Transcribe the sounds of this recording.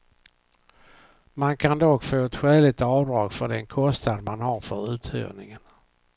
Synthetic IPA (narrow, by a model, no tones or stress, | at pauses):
mankʰand̪ɔɡfoːɛt̪ɧɛːlɪt̪ɑːvd̪ɾɑːɡfœɖɛnkʰɔst̪ad̪manhaɾfœɾʉ̟ːt̪ʰhø̰ːvnɪŋən